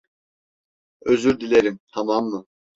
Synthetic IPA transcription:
øzyɾd̪ilʲeɾint̪ʰamamːɯ

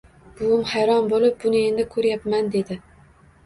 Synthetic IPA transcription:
b̥ʊwɪmhajɾɒnbolɪp̚bʊnɪe̞nd̪ɪkʰɵɾjapmand̪ed̪ɪ

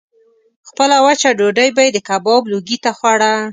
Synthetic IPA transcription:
xpəlawat͡ʃaɖoɖəjbajed̪əkabɔbloɡit̪axwaɽa

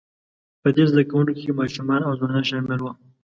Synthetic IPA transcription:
pəd̪ezd̪akawunkokemɑʃumɑnawzwanɑnʃɑmɪlwa

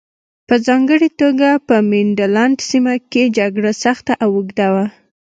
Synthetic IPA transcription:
pəzɑŋɡəɽet̪oɡapəmɪnɖalaɳɖsimaked͡ʒaɡɽasaxt̪aʔawuɡd̪awa

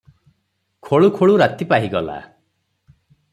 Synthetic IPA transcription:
kʰoɭukʰoɭuɾat̪ipaɦiɡɔla̰

